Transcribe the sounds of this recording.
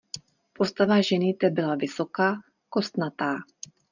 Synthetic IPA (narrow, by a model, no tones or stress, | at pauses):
po̞st̪avaʒɛnɪt̪ɛbɪlavɪso̞kaː | ko̞st̪nat̪aː